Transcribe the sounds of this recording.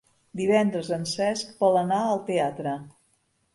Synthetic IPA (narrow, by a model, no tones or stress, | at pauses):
d̪iβɛnd̪ɾəzənsɛskbɔlənaəlˠt̪eat̪ɾə